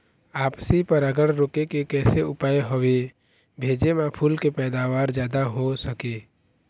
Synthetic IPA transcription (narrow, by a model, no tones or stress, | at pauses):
aːpsipəɾəɡəɽɾoːkekekɛːseʊpaːeɦowe | bʱeːd͡ʒemapʰulkepɛːd̪aːʋaːɾd͡ʒjaːd̪aɦosəke